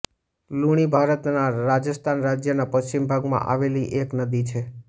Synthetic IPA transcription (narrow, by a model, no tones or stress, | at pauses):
luɽ̃ibʱaɾət̪naɾad͡ʒəst̪ʰanɾad͡ʒjənapəʃt͡ʃimbʱaɡmã̰ʔa̰ʋeliʔeknəd̪it͡ʃʰe